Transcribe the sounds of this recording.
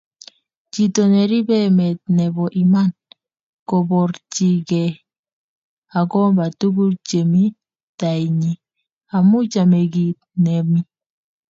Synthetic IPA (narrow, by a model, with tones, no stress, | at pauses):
d͡ʒi˨to˨nɛ˨ɾi˦bɛ˦mɛ˨t̚nɛ˨bɔ˨ʔi˨ma˦n | kɔ˨bɔ˨ɾd͡ʒi˨ɡɛ˨ | a˨ɡɔ˦ba˨tu˦ɡu˦t͡ʃe˨mi˦ | ta˨i˨ɲi˨ | a˨mʊ˦d͡ʒa˨me˨ɡi˨tne˨mi˦